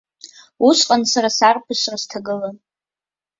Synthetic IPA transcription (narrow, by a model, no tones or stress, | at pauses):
uʃʷqʼansaɾasarpʰɨʃʷraztʰaɡɨlan